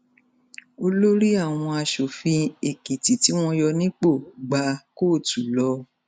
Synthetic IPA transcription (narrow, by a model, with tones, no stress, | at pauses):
o˧lo˦ɾi˦a˦˨w̃ɔ̃˧a˧ʃo˨fĩ˧e˨ki˨ti˨ti˨˦w̃ɔ̃˦jɔ˧nĩ˦k͡po˦˨ɡ͡ba˧koː˦˨tu˨lɔ˧˦